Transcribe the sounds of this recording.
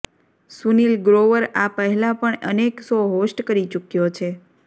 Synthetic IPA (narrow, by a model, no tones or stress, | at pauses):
sunilɡɾoʋəɾapəɦɛlãpəɳʔəneksoɦosʈkəɾit͡ʃukjot͡ʃʰe